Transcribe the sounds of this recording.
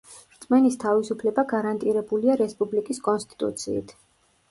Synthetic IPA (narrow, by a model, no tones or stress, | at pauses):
ɾt̪sʼmɛnist̪ʰavisupʰlɛbaɡaɾant̪ʼiɾɛbuliaɾɛspʼublikʼiskʼɔnst̪ʼi̥t̪ʼṵt̪sʰḭːt̪ʰ